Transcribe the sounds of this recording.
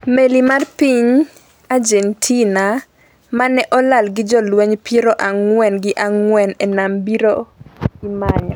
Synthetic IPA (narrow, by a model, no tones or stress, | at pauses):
melimarpiɲ | ad͡ʒentʰina | manɛʔɔlalɡɪd͡ʒɔlwɛɲpiɾoʔaŋwɛnɡɪʔaŋwɛnenambiɾoimaɲɔ